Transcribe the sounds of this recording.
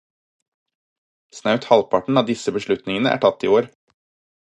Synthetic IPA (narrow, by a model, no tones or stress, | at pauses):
snɑʉt̪hɑlpʰɑʈɳ̩ɑːʋd̪ɪsəbəʃɭʉt̪nɪŋənəʔæ̰ːʈʰɑt̪ːioːɾ